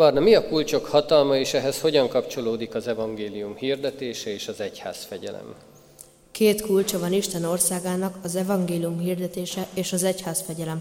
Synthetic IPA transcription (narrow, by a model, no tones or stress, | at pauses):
bɒrnɒmiɒkult͡ʃo̞khɒt̪ɒlmɒeːʃɛɦɛsho̞ɟɒŋkɒpt͡ʃo̞loːd̪ikɒzɛvɒŋɡeːlijumhiːrd̪ɛt̪eːʃɛeːʃɒzɛcha̰ːsfɛɟɛ̰lɛ̰m | keːt̪kult͡ʃɒvɒniʃt̪ɛno̞rsaːɡaːnɒkɒzɛvɒŋɡeːlijumhiːrd̪ɛt̪eːʃɛʔeːʃɒzɛchaːsfɛɟɛlɛm